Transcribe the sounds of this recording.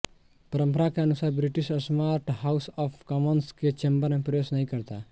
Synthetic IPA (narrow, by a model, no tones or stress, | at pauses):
pɐɾə̃mpəɾakeɐnʊsaːɾbɾɪʈiʃɔsmaːɾʈhausɔːfʰkɔmənsket͡ʃembəɾmẽpɾɐjoːsnɐɦĩkəɾt̪a̰